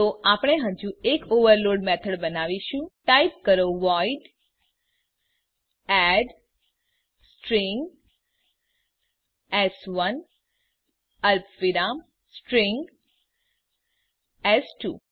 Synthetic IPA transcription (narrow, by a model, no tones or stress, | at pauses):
t̪oʔapɽ̃eɦə̃d͡ʒuekoʋəɾloɖmɛt̪ʰəɽbənaʋiʃũʈaip̚kəɾoʋaiɖ | ɛɖ | sʈɾĩŋɡ | ɛsʋən | əlpʰʋiɾam | sʈɾĩŋɡ | ɛsʈṵ